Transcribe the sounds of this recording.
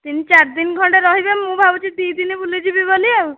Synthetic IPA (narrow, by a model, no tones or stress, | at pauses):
t̪init͡ʃaɾd̪inɡʱɔɳʈeɾɔɦibemmːũbʱabɔt͡ʃid̪id̪inibulid͡ʒibiboliew